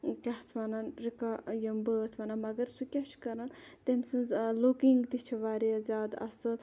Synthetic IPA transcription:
kʲɐht̪ʰʋananɾikajɐmbəːt̪ʰʋananmɐɡɐɾsukʲɐt͡ʃʰkɐɾant̪emsɨnzlukiŋɡd̪it͡ʃʰiʋaːɾiɐzʲaːd̪ɐ̰sɨl

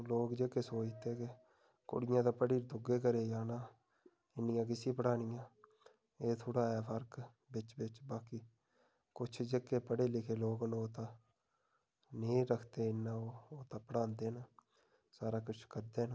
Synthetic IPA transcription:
loːkd͡ʒeːkeːsoːt͡ʃt̪eːke | kʊ̰ɽɪjãːt̪ãːpəɽiːɾd̪ʊɡeːk̬əɾeːjaːnãː | ɪnːɪjãːk̬ɪsiːpəɽaːnɪjãː | eːt̪ʰʊɽaːjaːpʰəɾk | bɪt͡ʃbɪt͡ʃbaːkiː | kʊt͡ʃʰd͡ʒeːkeːpəɽeːlɪkʰeːloːknoːt̪ãː | nĩːɾəkʰt̪eːɪnːãːoːoːt̪ãːpəɽãːnd̪eːna | saːɾaːkʊt͡ʃʰkəɾd̪eːn

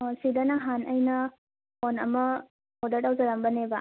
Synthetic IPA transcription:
sidɐnɐɦanʔəjnɐ | onɐmɐ | odɐɾtawd͡ʒɐɾɐmbɐnebɐ

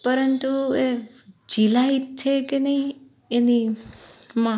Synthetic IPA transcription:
pəɾənt̪ued͡ʒilait̪t͡ʃʰːekenəɦĩ | eni | mã

